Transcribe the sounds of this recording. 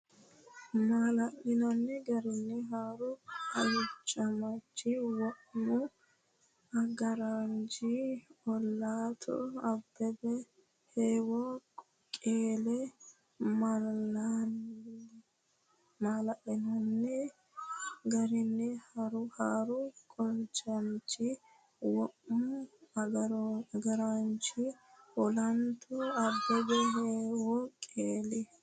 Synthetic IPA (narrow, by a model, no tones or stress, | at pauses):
maːlɐʔɪnɐnːɛɡɐɾɪnːɛɦaːɾʊɐjʊt͡ʃʼːɐmɐt͡ʃːɪwɔʔmɔ | ɐɡɐɾand͡ʒiɔlːaːt̪ʰɔ̰ɐbːɛbɛ | heːwak | kʼeːlɛ | mɐlːan | maːlɐʔɛnɔnːɛ | ɡɐɾɪnːɛhɐɾʊhaːɾʊkʼɔnt͡ʃɐnt͡ʃɪ | wɔʔʊ | ɡɐɾaːnt͡ʃɪɔlɐnt̪ʰʊɐbːɛbɛɦeːwɔkʼeːlɛ